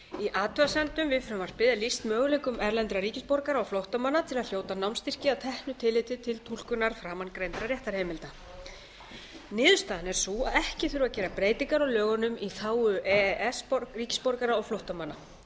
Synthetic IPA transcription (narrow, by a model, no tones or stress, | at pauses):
iʔaːt̪ʰœasɛnt̪ʏmvɪðfɾɛmvar̥pɪðalist̪mœːɣʏlɛkʏmɛɾlɛnt̪ɾaɾiːcɪspɔɾkaɾaɔɣflowht̪amanːat̪ʰɪlaðljoːwt̪anawmst̪ir̥cɪat̪ʰɛhnʏt̪ʰɪlːɪjt̪ɪt̪ʰɪlt̪ʰul̥kʏnaɾ̥fɾaːmankɾejnt̪ɾaɾjɛht̪aɾ̥hɛːmɪlt̪a | nɪːðʏst̪aːðanɛɾ̥suaðɛhcɪθʏɾʏvacɛːɾapɾeːjt̪iŋkaɾawlœːɣʏnʏmiθaːwʏʔɛʔɛspɔɾkriːcɪ̥spoɾkaɾaɔɣflowht̪amanːa